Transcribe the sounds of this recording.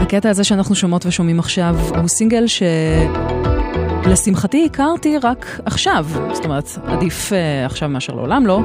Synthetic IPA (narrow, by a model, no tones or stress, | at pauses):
haketaːzeʃeaːnaχnuʃo̞mo̞tveʃo̞mimaχʃavhusiŋɡelʃe̞ | lesimχatiːkaʁtiʁakʰaχʃavst̪o̞meʁeta̰difeaχʃavmeaʃeʁlḛolamlo̞